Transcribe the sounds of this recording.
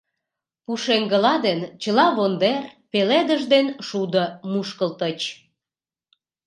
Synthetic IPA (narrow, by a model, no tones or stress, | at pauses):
puʃeŋɡəlɑd̪ent͡ɕəlɑβond̪erpeled̪əʒd̪enʃud̪əmuʃkəlt̪ət͡ɕ